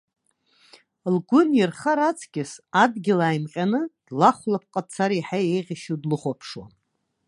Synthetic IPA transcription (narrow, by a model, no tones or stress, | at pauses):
lɡʷʊnjɪrχaɾat͡sʼʰɡʲɪsadɡʲɪlaːjmqʲʼanɨd̥laχʷlap̚ʰqʼat͡sʰaɾaħajejʁʲɪʃudlɨχʷapʰʂwa̰n